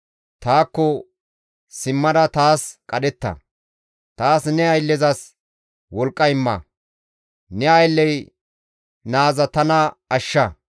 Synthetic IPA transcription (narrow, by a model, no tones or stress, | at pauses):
t̪aːkːɔ | sɪmːɐd̪ɐt̪aːskʼɐɗɛt̪ːɐ̰ | t̪aːsnɛɐjlːɛzɐs | wɔlkʼːɐɪmːɐ̰ | nɛɐjlːɛj | naːzɐt̪ɐnɐɐʃːɐ